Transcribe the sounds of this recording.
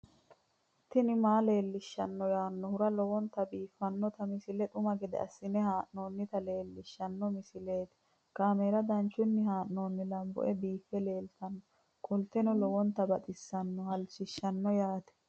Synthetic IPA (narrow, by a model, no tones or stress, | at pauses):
t̪ːɪnɪmaːle̞ːlːɪʃːɐnːɔjaːnːɔhʊɾɐlɔwɔnt̪ɐbiːfːɐnːɔt̪ɐmɪsɪlɛᶑ̪ʊmɐɡɛd̪ɛ̰ɐ̰sːɪnɛhaːʔno̞ːnːɪt̪ɐle̞ːlːɪʃːɐnːɔmɪsɪle̞ːt̪ɛ̥ | kaːmeːɾɐd̪ɐnt͡ʃːʊnːɪhaːʔno̞ːnːɪlɐmbɔ̰ʔɛbiːfːɛle̞ːlt̪ɐnːɔ | kʼɔlt̪ɛnɔlɔwɔnt̪ːɐbɐt̪ʼɪsːɐnːɔhɐlt͡ʃːɪʃːɐnːɔjaːt̪ɛ̥